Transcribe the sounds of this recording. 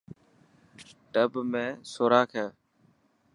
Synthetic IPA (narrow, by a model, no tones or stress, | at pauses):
ʈəbmẽːsoːɾaːkʰɛː